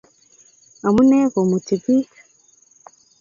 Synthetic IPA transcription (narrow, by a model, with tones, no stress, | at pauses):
a˨mu˦ne˦βo˨mu˨ti˨bi˦